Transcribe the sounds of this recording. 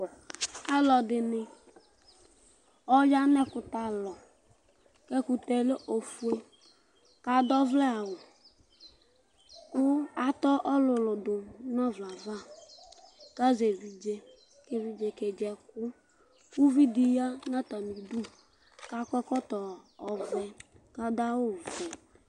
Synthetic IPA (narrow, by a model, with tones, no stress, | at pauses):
a˦lɔ˨dɪ˨nɪ˨ | ɔ˦d͡ʒa˦nɛ˦kʊ˨ta˨lɔ˨ | kɛ˦kʊ˨tɛ˨le˦ʔo˨fu˨˦e˦ | ka˨dɔ˦vlɛ˦a˨wʊ˨ | kʊ˦a˦tɔ˦ʔɔ˦lʊ˨lʊ˨dʊ˨nɔ˦vla˨va˦˨ | ka˦ze˨vi˨d͡ʒe˦ | ke˨vi˨d͡ʒe˨ke˨d͡ʒɛ˨k̚ʊ˦ | u˦vi˦di˨˦ja˦na˦ta˨ni˨du˦ | ka˦kɔ˦kɔ˦tɔ˨ɔ˨vɛ˨ | ka˦da˦wʊ˦˨vɛ˨